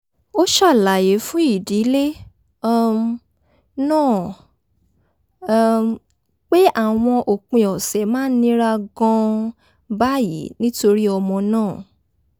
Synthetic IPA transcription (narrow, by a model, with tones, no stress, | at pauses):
o˦ʃa˦˨la˨je˨˦fũ˦i˦˨di˨˦le˦˨ | m | nãː˦˨ | k͡pe˦ʔa˦˨w̃ɔ̃˧ʔo˨k͡pĩ˨ɔ˨sɛ˨˦mãː˦nĩ˦ɾa˧ɡɔ̃˧ | ba˦jḭ˨˦nĩ˦to˧ɾi˦ɔ˧mɔ̃˧nãː˦˨